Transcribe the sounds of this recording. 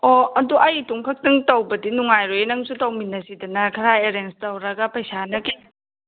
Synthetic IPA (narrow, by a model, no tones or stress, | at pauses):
oɐduʔɐjtuŋkʰɐk̚tiŋtɐwbɐdinuŋajɾojnɐŋsutɐwminɐsidɐnɐkʰɐɾajeɾenstɐwɾɐɡɐpɐjsanɐki